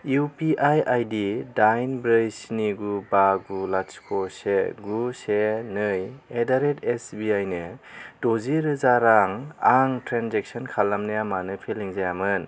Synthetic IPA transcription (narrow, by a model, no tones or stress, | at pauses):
upiʔajajdidajnbɾɯjsniɡubaɡulaskʰoseɡusenɯjedaɾetesbiajnɯd̥oziɾɯzaɾaŋaŋtɾanzek̚sɔnkʰalːamnajamanɯpʰeliŋzajamɯn